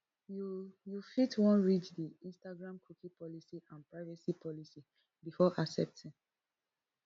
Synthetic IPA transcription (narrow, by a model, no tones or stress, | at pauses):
jujufitwɔ̃nɹit͡ʃdiĩnstaɡɹãmkʰukĩpɔlisiʔãnpɹaɪvɛsipʰɔlisi | bifɔʔasɛ̰p̚tĩn